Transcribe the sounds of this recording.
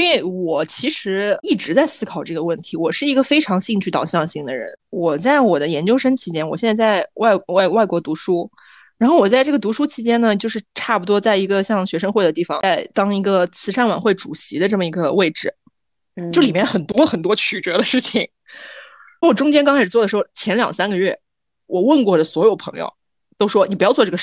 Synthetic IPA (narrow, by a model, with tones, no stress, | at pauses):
i˥nwe˥˩ɪwɔ˨˩t͡ɕʰi˧˥ʂɻ̩˧˥i˥˩ʈ͡ʂɻ̩˧˥t͡sa˥˩ɪsɹ̩˥kʰɑ˨˩ʊʈ͡ʂɤ˥˩ɡə˩wə˥˩nt̪ʰi˧˥wɔ˨˩ʂɻ̩˥˩i˧˥ɡə˥˧fe˥ɪʈ͡ʂʰɑ˧˥ŋɕi˥˧ŋt͡ɕʰy˥˩t̪ɑ˨˩ʊɕjɑ˥˧ŋɕi˥˩ŋd̪ə̰˩ɻə̰˧˥nwɔ˨˩t͡sa˥˩ɪwɔ˨˩d̪ə˦jɛ˧˥nt͡ɕjo˥ʊʂə˥ŋt͡ɕʰi˧˥t͡ɕjɛ˥nwɔ˨˩ɕjɛ˥˧nt͡sa˥˧t͡sa˥˧ɪwa˥˩ɪwa˥˩ɪwa˥˩ɪkwɔ˧˥t̪u˧˥ʂu˥ | ɻa˧nxo˥˩wɔ˨˩t͡sa˥˧ɪʈ͡ʂɤ˥˩ɡə˩t̪u˧˥ʂu˥t͡ɕʰi˧˥t͡ɕjɛ˥nnə˨t͡ɕjo˥˧ʊʂɻ̩˥˧ʈ͡ʂʰa˥˩pu˨˩t̪̬wɔ˥t͡sa˥˩ɪi˧˥ɡə˧ɕjɑ˥˧ŋɕɥɛ˧˥ʂə˥ŋxwe˥˩ɪd̪ə˩t̪i˥˩fɑ̰˨˩ŋa˥˩ɪt̪ɑ˥ŋi˧˥ɡə˧t͡sʰɹ̩˧˥ʈ͡ʂʰa˥˩nwa̰˨˩nxwe˥˩ɪʈ͡ʂu˨˩ɕi˧˥d̪ə˧ʈ͡ʂɤ˥˩mə˩i˧˥ɡə˧we˥˩ɪʈ͡ʂɻ̩˥˩ | t͡ɕjli˨˩mjɛ˥˩xə˨˩nt̪wɔ˥xə˨˩nt̪wɔ˥t͡ɕʰy˨˩ʈ͡ʂɤ˧˥d̪ə˧ʂɻ̩˥˩t͡ɕʰi˩ŋ˥˩ | wɔ˨˩ʈ͡ʂʊ˥ŋt͡ɕjɛ˥nkɑ˥ŋʰt͡sʰʂ̩ɻt͡sɔ˥˩ə˩ʂɻ̩˧˥xʊt͡ɕʰjɛ˧˥nljɑ̰˨˩ŋsa˥nɡə˧ɥɛ˥˩ | wɔ˨˩wə˥˧nkwɔ˥˩də˩swɔ˧˥jo˨˩ʊpʰɤ̰˧˥ŋjo̰˧ʊ | t̪o˥ʊʂwɔ˥ni˨˩pu˧˥jɑ˥˧ʊt͡swɔ˥˧ʈ͡ʂɤ˥˩˧